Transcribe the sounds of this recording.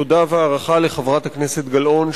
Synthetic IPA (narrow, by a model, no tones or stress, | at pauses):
odaveaːʁaχaleχevʁat̪hakneset̪ɡalo̞n